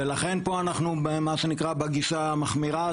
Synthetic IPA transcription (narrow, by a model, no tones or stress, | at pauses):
elaχe̞npo̞anaχnubemaʃenikʁabaɡiʃa | maχmiʁa